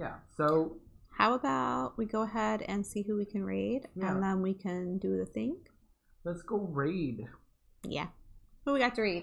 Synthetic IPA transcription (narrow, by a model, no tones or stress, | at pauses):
jæ̰soʊhaʊəbaʊt̚wiɡoʊəɦɛɾɨ̰̃nsiɦuwikʰɨ̃nɹidjɨ̃nðə̃nwikʰɨ̃ndɨðɨθɪ̃ŋ | lətsɡ̥oʊɹid̥ | jæ̰bʌwiɡɑtʰɨɹid̥